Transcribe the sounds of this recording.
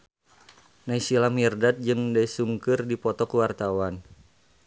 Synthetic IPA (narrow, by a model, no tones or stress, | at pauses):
naisilamiərdat̪̚d͡ʒɨŋdaisuŋkɨrdipɔt̪ɔkuwart̪awan